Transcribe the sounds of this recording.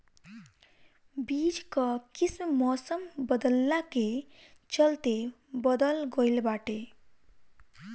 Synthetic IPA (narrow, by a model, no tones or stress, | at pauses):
bid͡ʒkʌkismmɔsəmbəd̪əlːake | t͡ʃəlt̪e | bʌd̪əlɡojlbaːʈe